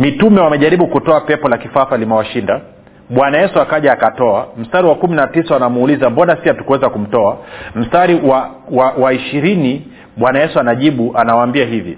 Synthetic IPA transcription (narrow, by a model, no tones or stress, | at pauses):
mitumɛwamɛʄaɾiɓukutɔapɛpɔlakifafalimɛwaʃinda | ɓwanajɛsuakaʄaːkatɔam̩staɾiwakuminatisawanamuulizambɔnasiatu̥kuwɛzakum̩tɔam̩staɾiwa | wawaiʃiɾini | ɓwanajɛsuanaʄiɓuʔanawaːmbiaɦivi